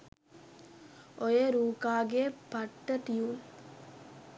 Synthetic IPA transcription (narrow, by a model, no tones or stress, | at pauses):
ojeɾuːkaːɡepɐʈːɐʈ̪ijuːn